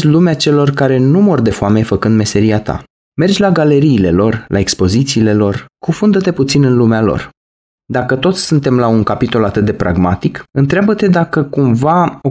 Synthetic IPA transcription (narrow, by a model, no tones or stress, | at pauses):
zlumeat͡ʃe̞lo̞rkaɾe̞numo̞rd̪e̞foame̞fəkɨnd̪me̞se̞ɾiat̪a̰ | me̞rd͡ʒʲlaɡale̞ɾiːle̞lo̞rlʔa̰e̞kspo̞zit̪siːle̞lo̞rkufund̪ət̪e̞put̪sinɨnlumealo̞̰r | d̪akət̪o̞t̪sʲsɨnt̪e̞mlaunkapit̪o̞lat̪ɨt̪̚d̪e̞pɾʔa̰ɡmat̪ikɨnt̪ɾeabət̪e̞d̪akəkumvao